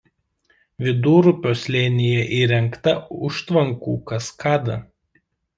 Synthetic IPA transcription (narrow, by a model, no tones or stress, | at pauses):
ʋʲɪd̪uːɾʊpʲoːslʲeːnʲɪjɛʔiːɾʲɛŋkt̪ɐʊʃt̪ʋɐŋkṵːkɐskʰɑːd̪ɐ